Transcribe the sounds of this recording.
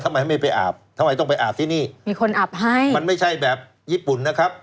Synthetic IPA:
t̪ʰa˧ma˦jhma˥˩pa˧jʔa̰ː˨˩p̚t̪ʰa˧ma˧jt̪ɔ˥˩ŋp̬a˧jʔaː˨˩p̚t̪ʰiː˥˩niː˥˩miː˧kʰo˧nʔa˨˩p̚ɦa˥˩jma˧nma˥˩jt͡ɕʰa˥˩jbɛː˨˩p̚ | jiː˥˩pu˨˩nːa˦˥kʰɾa˦˥p̚

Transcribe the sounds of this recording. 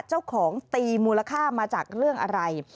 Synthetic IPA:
t͡ɕa˥˩wwkʰɔː˩˦ŋt̪iː˧muː˧la˧kʰaː˥˩maː˧t͡ɕaː˨˩k̚ɾɯ˥˩əŋʔa˧ɾa˧j

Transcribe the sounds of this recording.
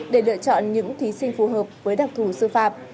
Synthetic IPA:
ɗe˧˩lɨ̰˧˨ət͡ɕɔ̰˧˨nɲɨ̰˧˥ŋt̪ʰi˨˦sï˧ŋ̟fu˨˩ɦəː˨˩p̚vəː˨˦jɗa˨˩k̚t̪ʰu˧˩sɨ˧faː˧˨˩p̚

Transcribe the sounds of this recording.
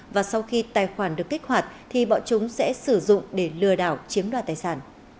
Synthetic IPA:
vaː˨˩sa˧wxi˧t̪aː˨˩jxwaː˧˩nɗɨ˨˩əkːi˦˥k̚hwaː˨˩t̚t̪ʰi˨˩ɓɔ̰˧˨t͡ɕʊ˨˦ŋ͡msɛ̰˧˥sɨ˧˩zʊ̰˧˨ŋ͡mɗe˧˩lɨ˧˩əɗaː˧˩wt͡ɕi˨˦əmɗwaː˧˩t̪̚aː˨˩jsaː˧˩n

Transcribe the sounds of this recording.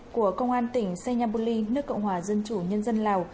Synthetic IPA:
ku˧˩əkə˧wŋ͡mʔaː˧nt̪ï˧˩ŋ̟sɛ˧ɲaː˧po˧li˧nɨ˦˥əkːə̰˧˨wŋ͡mhwaː˨˩zə˧nt͡ɕu˧˩ɲə˧nzə˧nlaː˨˩w

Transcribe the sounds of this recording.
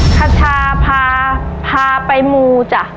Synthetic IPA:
kʰa˧tʰaː˧pʰaː˧pʰaː˧pa˧jmuː˧t͡ɕa˧˩

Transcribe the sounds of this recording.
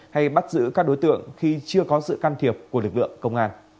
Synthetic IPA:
ha˧jɓa˦˥t̚zɨ̰˧˥kaː˦˥k̚ɗo˨˦jt̪ɨ̰˧˨əŋxi˧t͡ɕɨ˧əkɔ˨˦sɨ̰˧˨kaː˧nt̪ʰi˨˩əp̚ku˧˩lɨ˨˩k̚lɨ̰˧˨əŋkə˧wŋ͡mʔaː˧n

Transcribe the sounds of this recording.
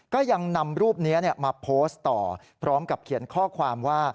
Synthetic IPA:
kɔː˥˩ja˧ŋna˧mɾuː˥˩p̚ni˦˥ni˥˩əmaː˧pʰoː˦˥st̪ɔ̰ː˨˩ | pʰɾɔː˦˥mka˨˩p̚kʰi˩˦ənkʰɔː˥˩kʰwaː˧mwaː˥˩

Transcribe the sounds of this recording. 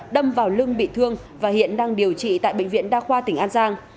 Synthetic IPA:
ɗə˧mvaː˨˩wlɨ˧əŋɓḭ˧˨t̪ʰɨ˧əŋ | vaː˨˩hḭ˧˨ənɗaː˧ŋɗi˨˩əwt͡ɕḭ˧˨t̪a̰ː˧˨jɓḛ˧˨ŋ̟vḭ˧˨ənɗaː˧xwaː˧t̪ï˨˩˦ŋʔaː˧nzaː˧ŋ

